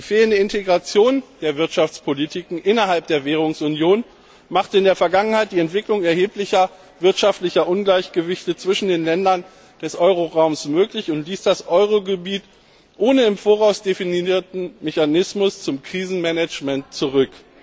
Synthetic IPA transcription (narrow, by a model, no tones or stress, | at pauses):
d̥iːfeːləndəɪnteɡʁat͡sjoːnd̥eːɐvɪɐtʃaft͡spʰolitʰiːkŋ̩ʔɪnɐɦalp̚d̥eːɐveːʁ̞ʊŋsʔʊnjoːn | maχtəɪndeːɐfɛɐɡaŋənhaɪt̚d̥iːɛntv̥ɪklʊŋɛɐheːplɪçɐ | vɪɐtʃaftlɪçɐʔʊnɡlaɪçɡ̥əvɪçtət͡sv̥ɪʃn̩deːnlɛndɐn | d̥ɛsʔɔʏʁ̞oʁaʊmsmøːklɪçʊntliːsd̥asʔɔʏʁ̞oɡəbiːt | ʔoːnəɪmfoːʁaʊsd̥efiniiːɐtn̩meçanɪsmʊst͡sʊmkʁ̥iːzn̩mɛnɛt͡ʃmɛntt͡suʁ̞ʏk